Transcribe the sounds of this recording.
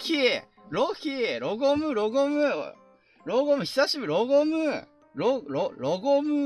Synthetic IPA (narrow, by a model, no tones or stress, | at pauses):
kie | ɾokʲiɾoɡomɯɾoɡomɯ | ɾoɡomɯ̟çi̥saɕibɯɾoɡomɯ | ɾoɾoɾoɡomɯ